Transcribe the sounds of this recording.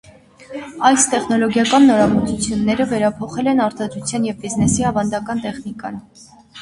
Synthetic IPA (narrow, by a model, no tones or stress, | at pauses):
ɑjst̪ɛχnɔlɔɡjɑkɑnːɔɾɑmɔt͡sʰut͡sʰjunːɛɾəvɛɾɑpʰɔχɛlɛnɑɾt̪ɑd̪ɾut͡sʰjɑnjɛvbiznɛsiɑvɑnd̪ɑkɑnt̪ɛχnikɑ̰n